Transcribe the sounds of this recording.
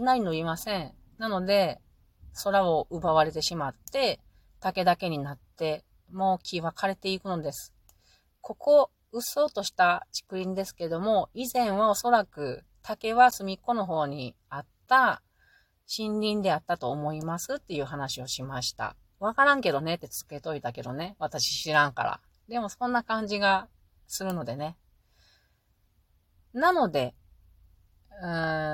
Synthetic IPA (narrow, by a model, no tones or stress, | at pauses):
nainoimasẽ̞ɴ | nano̞d̪e̞ | so̞ɾao̞ʔɯ̟baβaɾe̞t̪e̞ɕimat̪ːe̞ | t̪ake̞d̪ake̞ɲ̟inat̪ːe̞ | mo̞ːkʲʰiβakʰaɾe̞t̪e̞ikɯ̟no̞d̪e̞sɨ̥ | kʰo̞kʰo̞ | ɯ̟so̞ːt̪o̞ɕi̥t̪at͡ɕi̥kɯ̟ɾʲĩnd̪e̞sɨ̥ke̞d̪o̞mo̞izẽ̞ɰ̃βao̞so̞ɾakɯ̟ | t̪ʰake̞βasɨmʲikːo̞no̞ɦo̞ːɲ̟i | at̪ːa | ɕĩɲɾʲĩnd̪e̞at̪ːat̪o̞ːmo̞imasɨt̪ːe̞jɯ̟ːɦanaɕio̞ɕimaɕi̥t̪a̰ | β̞akaɾãŋke̞d̪o̞ne̞t̪ːe̞t͡sɨ̥ke̞t̪o̞it̪ake̞d̪o̞ne̞βat̪aɕi̥ɕiɾãŋka̰ɾa̰ | d̪e̞mo̞sõnːakãɲ̟d͡ʑiɡa | sɨɾɯ̟no̞d̪e̞ne̞ | nano̞d̪e̞ | ɯ̃